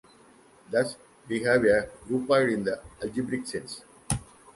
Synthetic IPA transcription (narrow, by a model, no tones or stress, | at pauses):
d̪ʌs | biɦæːʋeɾuːpaɪɖĩnd̪əɐld͡ʒibɾiksẽns